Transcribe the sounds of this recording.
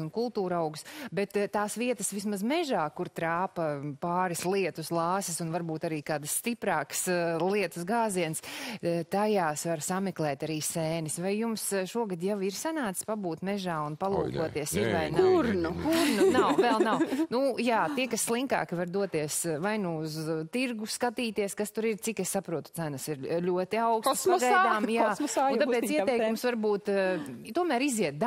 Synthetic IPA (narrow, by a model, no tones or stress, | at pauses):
unkulˠt̪uːɾawɡusbɛt̪tːaːsʋiɛt̪ɐ̥sʋis̬mazmɛʒaːkuɾt̪ɾaːpɐpaːɾislˠiɛt̪uslˠɑːsisunvaɾbuːt̪aɾiːkaːd̪sːt̪ipɾaːkslˠiɛt̪u̥sɡaːziɛnst̪ajaːsʋaɾsamɛklˠɛːt̪aɾiːsɛːnisvajjumsʃuɔɡad̪jawiɾsanaːt̪sʲpabuːt̪mɛʒaːunpalˠuːkuɔt̪iɛsiɾvajnuɾnukuɾnunawvɛlˠnawnujaːt̪iɛkasslˠiŋka̰ːkɪvaɾd̪uɔt̪iɛsvajnuuzt̪iɾɡuskat̪iːt̪iɛskast̪uɾiɾt̪sikɛssapɾuɔt̪u̥sænɐsiɾlʲuɔt̪iaʊksɡad̪aːmjaːnt̪apɛːt̪iɛt̪ɛjkumsvaɾbuːt̪t̪uɔmæːɾiziɛt̪̚d̪a